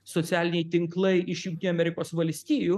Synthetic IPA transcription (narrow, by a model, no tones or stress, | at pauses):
sɔt̪ʲæːlʲɪnʲɛɪt̪ʲɪŋklˠɐɪʔɪʃjʊŋʲkt̪ʲɪnuɐmʲɛɾʲɪkoːsʋɐlʲsʲt̪ʲiːjuː